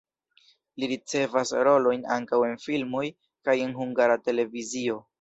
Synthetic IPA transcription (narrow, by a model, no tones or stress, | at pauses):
liɾit͡se̞vasɾo̞lo̞jna̰ŋkawe̞nfilmo̞j | kaje̞nɦuŋɡaɾate̞le̞vizio̞